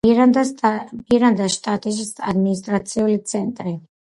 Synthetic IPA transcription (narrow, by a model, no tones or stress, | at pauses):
ad̪abiɾand̪aʃt̪ʼat̪ʼiʃ̬isad̪minis̬t̪ʼɾat̪sʰiulit̪sʰɛnt̪ʼɾi